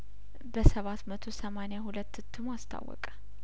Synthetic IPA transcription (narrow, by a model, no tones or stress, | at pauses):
bəsəβat̪mət̪ʰosəmaneahulət̪ːɨt̪ʰːɨmast̪ʰa̰wːɔ̰kʼə̥